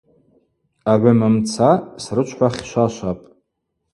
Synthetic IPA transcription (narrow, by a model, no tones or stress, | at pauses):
aʕʷamamt͡sʰasrɨt͡ʃʷʰħʷaχʲʃʷaʃʷapʼ